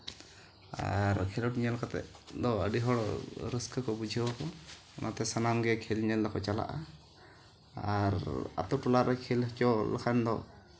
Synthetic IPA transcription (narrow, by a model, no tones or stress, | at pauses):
a̰ɾkʰɛlɔʈiɲalɔkat̪ɛ̰d̪ɔə̰ɖiɦɔɽɔɾəskəkɔbud͡ʒʱiɔkɔ | ɔnʔat̪ɛsanamɡɛkʰelɲɛld̪ɔkʰɔt͡ʃala̰ʔa̰ | aɾa̰t̪ɔʈulaɾɛkʰelɦət͡ʃɔla̰kʰand̪ɔ